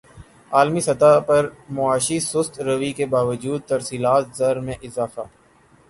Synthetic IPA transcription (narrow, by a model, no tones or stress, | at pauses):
aːlmisɐt̪apɐɾmʊaːʃisʊst̪ɾəʋikebaːʋəd͡ʒuːd̪̚t̪ɐɾsiːlaːt̪zɐɾmẽʔɪzaːfaː